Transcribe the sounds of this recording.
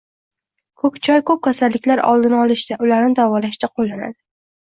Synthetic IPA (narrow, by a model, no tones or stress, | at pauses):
kʰɵkʲt͡ʃʰɒjkʰɵp̚kʲʰasalːɪkʲlaɾɒ̰lˠd̪ɪnɪɒlˠɪʃd̪aʔʊlaɾnɪd̪avɒlaʃd̪aqʰolˠːana̰d̪ɪ